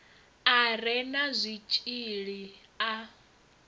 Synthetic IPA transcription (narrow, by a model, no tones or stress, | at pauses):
aɾɛnazʷit͡ʃʼiɺi | a